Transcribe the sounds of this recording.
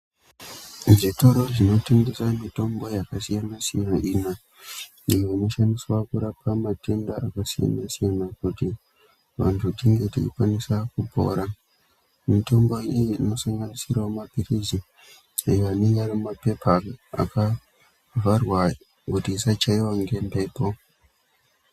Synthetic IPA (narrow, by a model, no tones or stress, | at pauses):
ʐito̞ɾo̞ʐino̞te̞ŋɡe̞samito̞mbo̞jakasijanasijanaʔina | ijoino̞ʃandiswakuɾapʰamate̞ndaʔakasija̰nasijanakuti | ʋa̰ntʰudiŋɡetḭḭkwanisakubʱo̞̰ɾa | mito̞mbo̞ijiːno̞saŋɡanisirwomapirizi | ajoaneɲarimape̞paa̰ka | varwa | kutiːsat͡ʃaiwaŋɡe̞mbe̞po